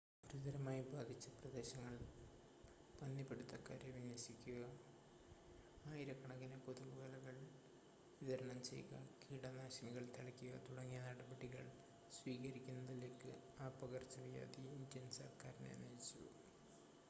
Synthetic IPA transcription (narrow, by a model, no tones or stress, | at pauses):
buɾuðɐɾɐmaːjibaːd̪ʱit͡ɕːɐprɐd̪e̞ːɕɐŋːɐɭ | b̥ɐnːipːeɽut̪ːɐkaːɾjɐʋiɲːɐsikʲːuɣɐ | aːjiɾɐkːɐɳɐɣinepo̞ðuɣɐʋɐlɐɣɐɭ | ʋiðɐɾɐɳɐmt͡ɕe̞̰jɣɐ̰kiːɽɐnaːɕɐniɣɐɭt̪ʰɐɭɐkʲːuɣɐt̪uɽɐŋːijɐnɐɽɐbɐɽiɣɐɭ | sʋiːkɐɾikʲːunːɐðileːkːɨaːpːɐɣɐrt͡ɕːɐʋija̰ːd̪iindjɐnsɐrkaːɾnḛːnɐjit͡ɕːṵ